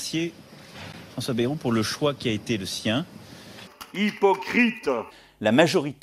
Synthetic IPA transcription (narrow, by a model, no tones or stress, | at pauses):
sje | fχɑ̃swabeʁupuʁləʃwakʲiaet̪eləsjɛ̃ | ipɔkχit̪ | lamaʒɔʁit̪